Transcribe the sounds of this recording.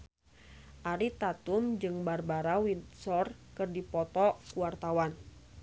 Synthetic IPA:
ʔaɾit̪at̪umd͡ʒɨŋbarbaɾawinsɔrkɨrdipɔt̪ɔkuwart̪awan

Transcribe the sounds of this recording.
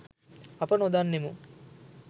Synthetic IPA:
ɐpɐnod̪anːemu

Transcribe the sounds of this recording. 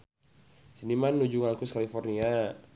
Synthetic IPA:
sinimanːud͡ʒuŋalkuskalifɔrnia

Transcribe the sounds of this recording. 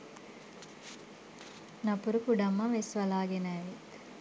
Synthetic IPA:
nɐpuɾukuɖɐmːɐʋesʋɐlaːɡenaːʋet̪

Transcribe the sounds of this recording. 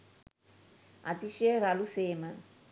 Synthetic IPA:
a̰t̪iʃeɾaluseːmɐ

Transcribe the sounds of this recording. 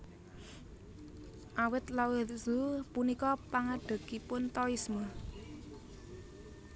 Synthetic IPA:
ʔawɪt̪lawɪtz̥upunikɔpaŋaɖ̥ə̤kipʊnt̪ɔismə

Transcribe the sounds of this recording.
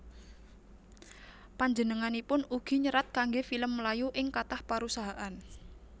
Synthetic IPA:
paɲd͡ʒənəŋanipʊnuɡ̥i̤ɲəɾat̪̚kaŋɡefiləmːəlajuʔɪŋkat̪ahpaɾusaɦaʔan

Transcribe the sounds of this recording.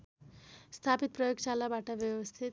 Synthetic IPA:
st̪ʰapit̪̚prʌjoɡt͡ʃalabaʈabjʌwʌst̪ʰit̪

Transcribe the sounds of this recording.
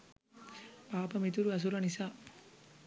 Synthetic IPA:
paːpɐmit̪uɾuɐs̬uɾɐnisaː

